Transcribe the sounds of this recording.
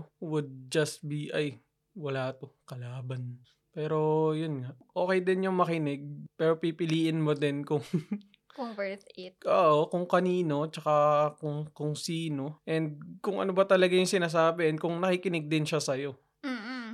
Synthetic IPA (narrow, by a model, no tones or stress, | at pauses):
wʊd̪̚d͡ʒɐst̪̚biʔaj | wɐlaːt̪o̞kɐlaːbɐn | pɛːɾo̞jʊnŋaʔʔo̞ːkɛjd̪ɪnjʊŋmɐkɪnɛɡ̚pɛːɾo̞pipɪliːʔɪnmod̪ɪnkʊŋ | kvɛtoːʔokʊŋkɐniːno̞t͡ʃɐkakʊŋkʊŋsiːno̞ʔɛnd̪̚kʊŋʔɐ̰nobɐt̪ɐlɐɡajʊŋsɪnaːs̬aːbɛɛnkʊŋnɐkikɪnɛɡ̚d̪ɪnʃasɐjo̞ | m̩ː